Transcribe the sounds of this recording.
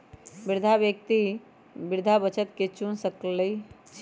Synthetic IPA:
biɾd̪ʱabjək̚t̪i | biɾd̪ʱabət͡ʃət̪ket͡ʃunsəkləi

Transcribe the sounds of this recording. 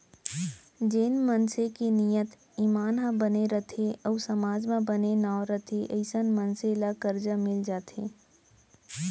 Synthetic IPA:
d͡ʒeːnmənsekinijət̪ | imaːnɦãbəneɾɐt̪ʰeɔːsɐmaːd͡ʒmãbənenaːɾət̪ʰeʔəɪsənmənselakəɾd͡ʒamɪld͡ʒaːt̪ʰḛː

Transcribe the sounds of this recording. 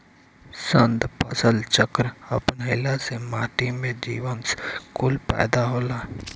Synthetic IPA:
sənd̪pəsəlt͡ʃəkɾəpnɦeːlasemaːʈ̪imẽd͡ʒḭːwənskʊlpɛ̰ːd̪aɦoːlaː

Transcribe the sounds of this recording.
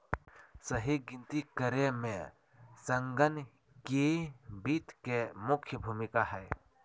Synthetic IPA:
səɦiɡɪ̃nt̪ikəɾemẽ | səŋɡən | kebit̪kemʊkʰjəbʱuːmɪkaɦɛː

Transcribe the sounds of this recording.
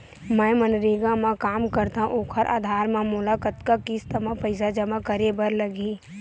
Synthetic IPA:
mɛ̃mənɾiːɡãmãkaːmkəɾt̪aɦʔoːkʰəɾʔa̰ːd̪ʱaːɾmãmʊlakət̪kakist̪ɐmapəɪsad͡ʒəmakəɾebəɾləɡiː

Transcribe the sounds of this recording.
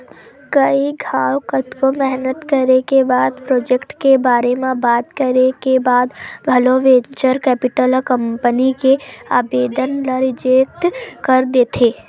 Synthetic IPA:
kəiɡʱaːwkət̪komɛɦnət̪kəɾekebaːd̪pɾoːd͡ʒekʈkebaːɾemẽbaːt̪kəɾekebaːd̪ɡʱɐloʋeːt͡ʃəɾkɛːpɪʈəlkə̃mpənikea̰ːbeːd̪ənləɾɪd͡ʒek̚ʈkəɾd̪eːt̪ʰeː

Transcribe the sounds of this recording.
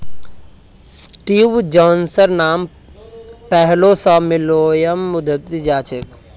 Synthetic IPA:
sʈiːʋd͡ʒɔːnsəɾnaːm | pɛɦlosɔmɪloːjəmːʊd̪ʱət̪id͡ʒaːt͡ʃʰɪk

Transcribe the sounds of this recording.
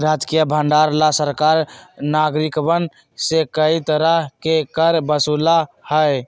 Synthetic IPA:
ɾad͡ʒkijəbʱəɳɖaɾlasəɾkaɾnaɡɾikbən | sekəit̪əɾəɦkekəɾbəsulahəj

